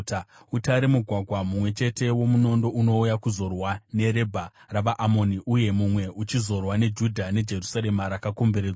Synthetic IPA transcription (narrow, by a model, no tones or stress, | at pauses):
utaɾemuɡʱwaɡʱwamumwe̞t͡ʃe̞te̞wo̞muno̞ndo̞uno̞ujakuzo̞rwane̞ɾe̞bʱa | raʋaʔamo̞niʔuje̞mumwe̞ʔut͡ʃizo̞rwane̞d͡ʒudʱane̞d͡ʒe̞rusaɾe̞maɾakako̞mbe̞ɾed͡zwa